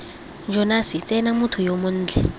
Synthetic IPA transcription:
nd͡ʒʱɔnasit͡sʼɛnamutʰujomun̩ːd͡ɮʱɛ

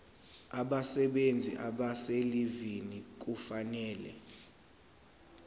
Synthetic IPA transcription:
aɓasɛɓend͡zʱḭʔaɓaselivinik̬ʼufanɛːlɛ̰

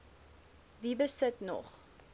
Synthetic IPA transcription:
vibəsətnɔ̰χ

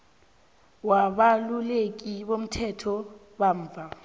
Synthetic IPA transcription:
waβalulek̬ʼiβom̩tʰɛtʰɔ | baɱ̩ːvʱa

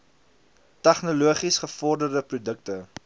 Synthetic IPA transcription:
tæχnoluəχisχəfɔrdərdəprudəktə

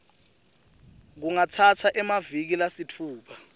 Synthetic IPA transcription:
k̬uŋatʰatʰaʔɛmavik̬ilasitʰuːpʰḁ

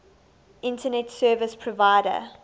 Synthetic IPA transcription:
ʔɪ̃ntʰənɛtsɜːvəspʰɹɔvaɪɾə̰

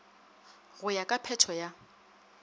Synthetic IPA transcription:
ɣʊjakʼapʰɛtʰɔja

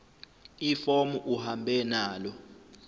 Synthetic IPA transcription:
ifomuʔuhambʱɛnaːlɔ

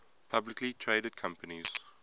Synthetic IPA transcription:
pʰablɪklitʰɹeːɾəd̚kʰãmpəniz̥

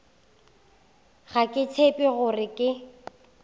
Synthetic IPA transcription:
ɣakʼɪt͡sʰepʼɪɣʊrɪkʼɪ

